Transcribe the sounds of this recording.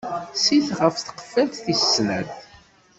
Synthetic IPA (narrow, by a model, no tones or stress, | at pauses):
siθʁəfθə̥qə̥fːælt̪θisːnæð